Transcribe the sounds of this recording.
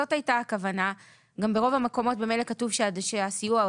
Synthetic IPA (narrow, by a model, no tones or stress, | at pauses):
o̞tajtaːkavana | ɡambe̞ʁo̞vameko̞mo̞t̚bemelekatuvʃeadʃeasijua